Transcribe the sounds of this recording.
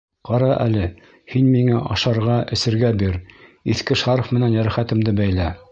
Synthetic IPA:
qɑɾɑʔæ̰lɘ | hinmiŋæʔɑʃɑɾʁɑʔɘ̆sɘ̆ɾɡæbiɾiθkɘʃʁɑɾŏfmɘ̆nænjæɾæχæt̪ɘ̆md̪ɘbæjlæ

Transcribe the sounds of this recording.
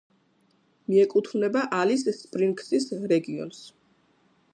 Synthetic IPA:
miɛkʼut̪ʰvnɛbaʔalisːpʼɾiŋkʼsisɾɛɡiɔ̰ns

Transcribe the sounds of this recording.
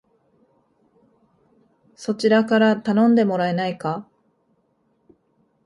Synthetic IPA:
so̞t͡ɕiɾakaɾat̪anõ̞nd̪e̞mo̞ɾae̞naika

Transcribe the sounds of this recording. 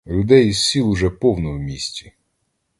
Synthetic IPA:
lʲʊd̪ɛjizsʲilˠʊʒɛpɔwnɔwmʲisʲtʲi̥

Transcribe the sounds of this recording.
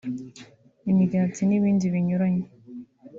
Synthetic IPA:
imiɡaːtiniβiːndiβiɲuɾaɲe

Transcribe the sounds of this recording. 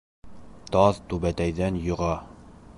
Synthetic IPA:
t̪ɒðt̪ʉβæt̪æjðænjŏʁɑ

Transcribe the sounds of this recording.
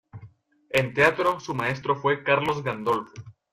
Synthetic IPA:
e̞nt̪eat̪ɾo̞sumae̞s̬t̪ɾo̞fwe̞kaɾlo̞zɡand̪olfo

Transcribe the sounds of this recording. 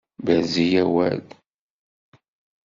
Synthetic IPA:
bæzijæwæl

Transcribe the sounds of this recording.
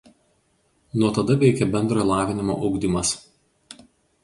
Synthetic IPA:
nuɔt̪ɐd̪ɐʋʲɛɪkʲɛbʲɛnd̪ɾɐjlˠɑːʋʲɪnʲɪmo̰ːʔɒʊɡd̪ʲɪmɐs

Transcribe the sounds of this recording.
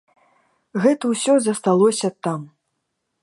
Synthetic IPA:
ɣɛt̪ɐwsʲɔzɐst̪alˠɔsʲɐt̪am

